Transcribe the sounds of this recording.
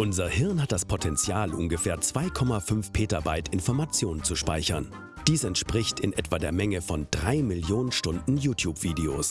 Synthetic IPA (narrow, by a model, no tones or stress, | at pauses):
ʔʊnzɐhɪɐnhat̚d̥aspʰotʰɛnt͡sjaːlʔʊ̰nɡəfeːɐt͡sv̥aɪkʰɔmafʏnfpʰeːtabaɪtʰɪnfɔɐmat͡sjoːnənt͡suʃpa̰ɪçɐn | d̥iːsɛntʃpʁ̥ɪçtɪnʔɛtv̥aːdeːɐmɛŋəfɔnd̥ʁaɪmɪljoːnənʃtʊndn̩juːtʰjuːpv̥iːdeoːs